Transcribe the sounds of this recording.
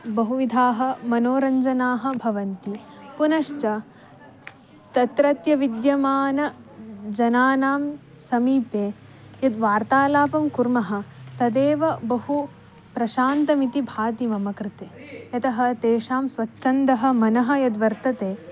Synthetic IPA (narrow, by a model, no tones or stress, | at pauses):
bɐɦuʋid̪ʱaːɦɐ̆mɐnoːɾɐɲd͡ʒɐnaːɦɐ̆bʱɐʋɐnt̪ipunɐʃt͡ʃɐ | t̪ɐt̪ɾɐt̪jɐʋid̪jɐmaːnɐd͡ʒɐnaːnaːm | sɐmiːpeː | jɐd̪ʋaːɾt̪aːlaːpɐmkuɾmɐɦɐ̆t̪ɐd̪eːʋɐbɐɦu | pɾɐʃaːnt̪ɐmit̪ibʱaːt̪imɐmɐkɾɪt̪eːjɐt̪ɐɦɐ̆t̪eːʂaːmsʋɐtːʃɐnd̪ɐɦɐ̆mɐnɐɦɐ̆jɐd̪ʋɐɾt̪ɐt̪eː